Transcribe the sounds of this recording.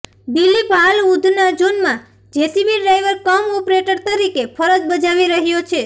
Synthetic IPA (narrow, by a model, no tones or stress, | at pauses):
bilibʱalud̪ʱnad͡ʒonmã | d͡ʒesibiɖajʋəɾkəmɔpɾeʈəɾt̪əɾikepʰəɾəd͡ʒbəd͡ʒaʋiɾəɦjot͡ʃʰe